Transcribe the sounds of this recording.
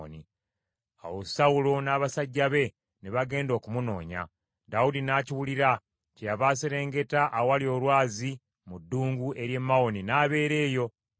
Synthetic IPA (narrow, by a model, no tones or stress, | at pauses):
ni | a̰wosaulo̞naːβasaɟːaβe̞ | neβaɡe̞ːndo̞ːkumuno̞̰ːɲa̰ | daudinaːciwuliɾa | cejaβaːseɾe̞ːŋɡe̞taʔːwalio̞ːlwaːzi | mudːuːŋɡuʔe̞ɾje̞mːao̞ninaːβe̞ːɾe̞ːjo̞